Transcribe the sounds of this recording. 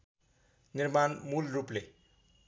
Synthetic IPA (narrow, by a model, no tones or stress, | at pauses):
niɾmanmulruple